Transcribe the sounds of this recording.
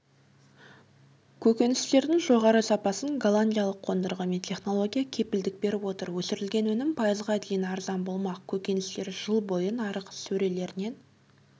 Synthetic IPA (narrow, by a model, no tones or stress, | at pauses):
kʲʰɵkʲe̞nɪst̪e̞ɾd̪ɪŋʒo̞ʁɑɾəsɑpɑsəŋɡalˠanʲdʲijalˠəqʰːo̞nd̪əɾʁəme̞nt̪ʲʰe̞χno̞lˠo̞ɡʲijakʲʰe̞pɪld̪ɪk̚be̞ɾɪpwo̞t̪əɾwɵsɪɾɪlɡʲe̞nwɵnɪmpʰɑjəzʁɑd̪e̞jɪnɑɾzɑnbo̞lˠmɑqkʲʰɵkʲe̞nɪst̪e̞ɾʒəlˠbo̞jənɑɾəqsɵɾe̞le̞ɾɪne̞n